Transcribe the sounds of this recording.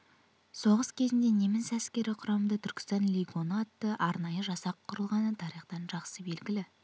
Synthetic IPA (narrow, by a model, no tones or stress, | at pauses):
so̞ʁəskʲʰe̞zɪnd̪e̞ne̞mɪnsæskʲe̞ɾɪqʰʊɾɑmənd̪ɑt̪ʰʏɾkʲɪ̥st̪ɑnlʲiɡo̞nat̪ːəʔɑɾnɑjəʒɑsɑqʰːʊɾəlˠʁɑnət̪ʰɑɾiχt̪ɑnʒɑqsəbe̞lɡʲɪlɪ